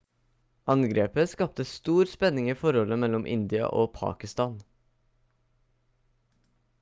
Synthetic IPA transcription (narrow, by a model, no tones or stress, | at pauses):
ɑŋɡɾeːpəskɑp̚t̪əst̪uːɾspɛnɪŋiːfɔɾɔləmɛlɔmʔɪ̰nd̪ɪɑ̰ʔoːpʰɑ̰ːkɪst̪ɑːn